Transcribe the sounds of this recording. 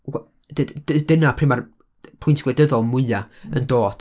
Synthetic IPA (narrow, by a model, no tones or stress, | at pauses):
w | də̥ədɪnapʰrɪmar | pʰʊjntʰɡlˠejdəðɔlˠmʊɨaəndoːd̥